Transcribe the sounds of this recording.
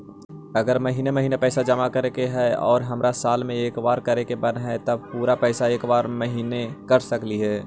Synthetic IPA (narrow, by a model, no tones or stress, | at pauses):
ɐɡəɾmɐɦiːnemɐɦiːnepɛːsad͡ʒɐmakɐɾekeɦɛɔ̰ːɾɦɐmɾasaːlmẽeːkbaːɾkɐɾekebɐnɦɛt̪ɐb̚puːɾapɛːsaeːkbaːɾmɐɦiːnekɐɾsɐkliɦɛː